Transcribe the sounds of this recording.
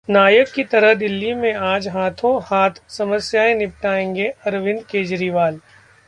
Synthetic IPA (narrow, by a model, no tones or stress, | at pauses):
naːjəkːit̪ɐɾəɦd̪ɪlːimẽaːd͡ʒɦaːt̪ʰõhaːt̪ʰsɐməsjaːẽnɪp̚ʈaːẽːŋɡeɐɾʋɪ̃nd̪keːd͡ʒɾiʋaːl